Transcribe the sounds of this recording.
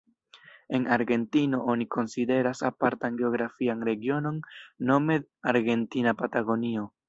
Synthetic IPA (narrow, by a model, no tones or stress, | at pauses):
e̞naɾɡe̞ntino̞ʔo̞nikʰo̞nside̞ɾasapaɾtanɡe̞o̞ɡɾafianɾe̞ɡio̞no̞nːo̞me̞aɾɡe̞ntinapataɡo̞nio̞